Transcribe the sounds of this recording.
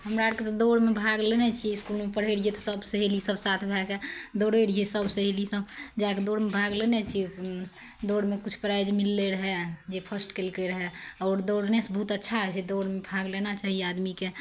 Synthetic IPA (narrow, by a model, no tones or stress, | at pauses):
ɦəmɾaɾket̪ɔd̪oɽmebʱaɡlenɛt͡ʃʰiiskulmepəɽ̤ɦeɽiet̪ɔsəbseɦelisəbsat̪ʰbʱɛked̪oɽeɽiesəbseɦelisəbd͡ʒaked̪oɽmebʱaɡlenɛt͡ʃʰi | d̪oɽmekut͡ʃʰpɾajd͡ʒmilːeɾəɦɛd͡ʒepʰəsʈkelkeɾəɦɛɔːɾd̪oɽnesbəɦut̪ətːʃʰaɦd͡ʒʰed̪oɽmebʱaɡlenat͡ʃaɦiad̪mike